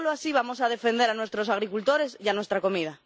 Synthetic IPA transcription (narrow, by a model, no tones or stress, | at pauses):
loasiβ̞amo̞sað̞e̞fe̞nd̪eɾanwe̞st̪ɾo̞saɣɾikult̪o̞ɾe̞sianwe̞st̪ɾako̞mið̞a